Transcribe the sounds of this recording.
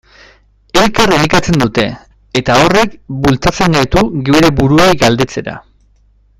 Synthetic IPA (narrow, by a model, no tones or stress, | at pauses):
e̞lkareɾikat͡se̞nd̪ut̪e̞ː | t̪ao̞re̞kbult͡sat͡se̞ŋɡajt̪uɣieɾe̞buɾuejɡald̪e̞t͡se̞ɾa̰